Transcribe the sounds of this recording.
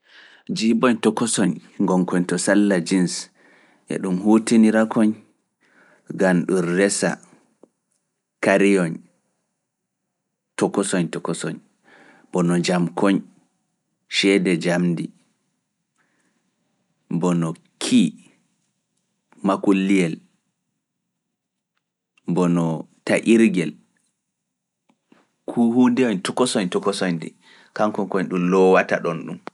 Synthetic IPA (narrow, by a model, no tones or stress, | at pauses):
d͡ʒibɔɲtɔkɔsɔɲŋɡɔŋkɔɲtɔsalːad͡ʒins | ʔɛ̰ɗumhuːtiniɾakʰɔɲ | ɡanɗunrɛsa̰ | kaɾijɔɲ | tɔkːɔsɔɲtɔkɔsɔɲ | b̥ɔnɔd͡ʒamkʰɔɲ | ʃɛdɛd͡ʒamdi | bɔnɔ | kʰi | makulːijɛl | bɔnɔtaʔiɾɡɛl | kʰuhundɛɔɲtɔkɔsɔɲtɔkɔsɔɲdḭ | kaŋkɔŋkɔɲɗumlɔwataɗɔnɗum